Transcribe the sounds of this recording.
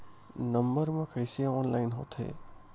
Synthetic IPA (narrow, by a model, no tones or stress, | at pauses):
nʌmbʌɾmakʰəjsiaɔnlajnɦo̰t̪ʰḛ